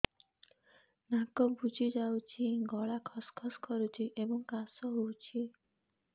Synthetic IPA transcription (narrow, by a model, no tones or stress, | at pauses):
nakɔbud͡ʒʱid͡ʒawt͡ʃʰiɡɔɭakʰɔskʰɔskɔɾut͡ʃʰiʔebɔŋkasɔɦowt͡ʃʰi